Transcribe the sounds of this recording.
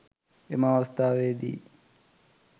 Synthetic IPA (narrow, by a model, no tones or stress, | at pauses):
emaːʋɐst̪aːʋeːd̪ḭː